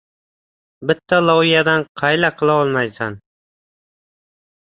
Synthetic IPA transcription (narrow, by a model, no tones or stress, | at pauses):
bɪt̪ʰːalˠɒwɪjad̪anqʰɑjlaqʰɨlˠaɒlˠmajsan